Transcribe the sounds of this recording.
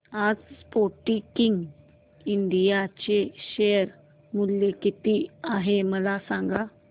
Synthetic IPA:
ad͡zspoʈikiŋɡ | iɳɖijat͡ɕeɕejəɾ | mulːekit̪iaɦeməlasãŋɡa

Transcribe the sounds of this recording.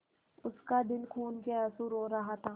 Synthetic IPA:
ʊskad̪ɪlkʰuːnkeaːsuɾoːɾɐɦat̪ʰaː

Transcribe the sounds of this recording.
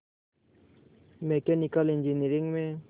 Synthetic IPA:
mekenikəlind͡ʒiniɾiŋɡmẽ

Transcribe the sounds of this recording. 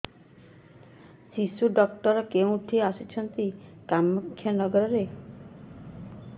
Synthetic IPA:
sisuɖɔkʈɔɾɔkeũʈʰiasut͡ʃʰɔnt̪ikamːukʰːjɔnɔɡɔɾɔɾe

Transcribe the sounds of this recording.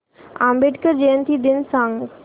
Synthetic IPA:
ã̰mbeʈkəɾd͡ʒeənt̪ʰid̪ɪnsãŋ

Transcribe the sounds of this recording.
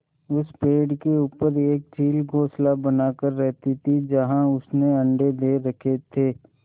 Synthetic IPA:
ʊspeːɖkeuːpəɾeːk̚t͡ʃiːlɡʱoːslabɐnaːkəɾːɛɦt̪it̪ʰid͡ʒɐɦãʊsneɐ̃ɳɖed̪eːɾɐkʰet̪ʰeː

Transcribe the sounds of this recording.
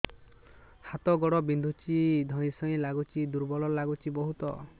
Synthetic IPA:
hat̪ɔɡɔɽɔbind̪ʱut͡ʃid̪ʱɔj̃sɔĩlaɡut͡ʃid̪uɾbɔlɔlaɡut͡ʃibɔɦut̪ɔ

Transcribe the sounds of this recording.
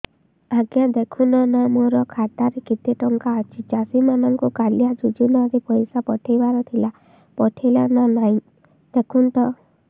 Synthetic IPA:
aɡjad̪ekʰunɔnamoɾɔkʰat̪aɾekit̪eʈɔŋkaːt͡ʃʰid͡ʒasimanɔŋkukaljad͡ʒud͡ʒunaɾepɔjsapɔʈʰejbaɾɔt̪ʰila | pɔʈʰelananaĩ | d̪̥ekʰunt̪ɔ

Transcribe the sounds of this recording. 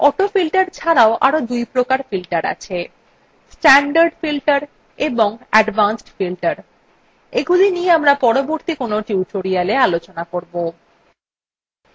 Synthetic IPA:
ɔʈofilʈaɾt͡ɕʰaɾaoʔa̰ɾod̪ujpɾokaɾfilʈaɾa̰t͡ɕʰe | sʈɛɳɖaɾɖfilʈaɾ | eboŋɛɖbansʈfilʈaɾ | eɡulinieamɾapɔɾoboɾt̪ikonoʈiuʈoɾialealot͡ɕonakoɾbo

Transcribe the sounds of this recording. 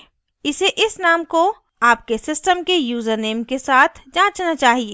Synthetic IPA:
ɪseʔɪsnaːmko | aːp̚kesɪsʈəmkejuːzəɾneːmkesaːt̪ʰd͡ʒãːt͡ʃnat͡ʃaːɦieː

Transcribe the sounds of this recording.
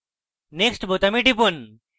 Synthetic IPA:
neksʈbot̪amiʈipun

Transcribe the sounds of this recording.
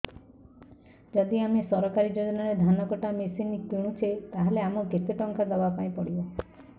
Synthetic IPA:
d͡ʒɔd̪iamesɔɾɔkaɾid͡ʒɔd̪inaɾed̪ʱanɔkɔʈamesinikũũt͡ʃʰet̪aɦeleamɔɡet̪eʈɔŋkad̪abapaĩpɔɽibɔ

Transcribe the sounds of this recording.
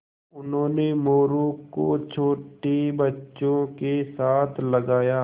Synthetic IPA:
ʊnɦõːnemoːɾõkot͡ʃʰoːʈibɐtːʃõkesaːt̪ʰlɐɡaːjaː

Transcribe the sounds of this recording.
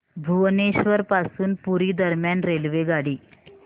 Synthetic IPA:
bʱuʋneɕʋəɾpasuːnpuɾiːd̪əɾmjanɾelʋeɡaɽiː

